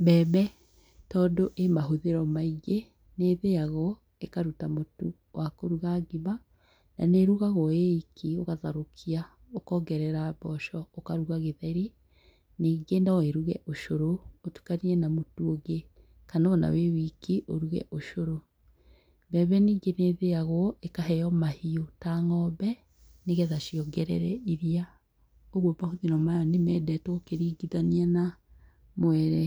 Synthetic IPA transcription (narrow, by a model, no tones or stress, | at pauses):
bɛːβɛ | tɔːdoʔemaɦoðeɾɔmaiɡe | neðeaɣɔ | ekaɾutamotu | wʔakoɾuɣaɡima | na̰neɾuɣaɣɔeikʰioɣaðaɾokʰia | okɔɡɛɾɛɾaβɔʃɔokaɾuɣaɣeðɛɾi | niːɡendaeɾuɣɛʔoʃoɾootu̥kaniɾɛnamotuoɡe | kanaɔna̰wewikiʔoɾuɣɛ̰ʔoʃoɾo | bɛːβɛniːɡeneðeaɣɔʔekaɦɛjɔmahiotaŋɔβɛ | neɣɛðaʃiɔɡɛɾɛ̰ɾɛiɾia | oɣobahoðiɾɔmajɔnemɛdɛtɔokeɾiːɡiðaniana | moɛɾɛ